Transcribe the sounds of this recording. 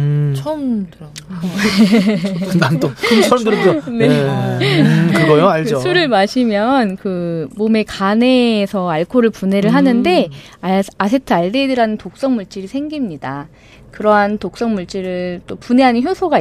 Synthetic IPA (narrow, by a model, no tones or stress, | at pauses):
t͡ɕʰʌm | nanokɯnt͡ɕʰʌmdɯɾone | kɯɡʌjoaɭkd͡ʑosʰuɾɯɭmaɕʰimjʌnkɯmome̞kane̞ːsʰʌaɭkʰoɾɯɭpune̞ɾɯɭɦanɯnde̞ | asʰetʰɯaɭde̞dɯɾɦanɯntok̚s͈ʌŋmuɭt͡ɕ͈iɾisʰeŋɡimɲida | kɯɾʌɦantok̚s͈ʌŋmuɭt͡ɕ͈iɾɯɭt͈opune̞ɦanɯnçjosʰoɡa